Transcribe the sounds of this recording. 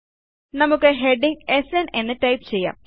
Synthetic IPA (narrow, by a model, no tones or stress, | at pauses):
nɐmukːɨɦe̞ɖiŋɡesene̞nːɨʈɐjpt͡ɕe̞jːa̰ːm